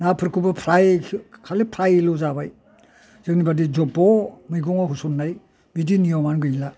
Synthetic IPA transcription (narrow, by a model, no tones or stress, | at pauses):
napʰɯɾkʰubɯpʰɾajkʰalɯpʰɾajlɔzabaj | z̥ɯknibadid͡ʒɔbɔmɯjɡɔŋɔɦusunːaj | bidinijɔmanɡɯjla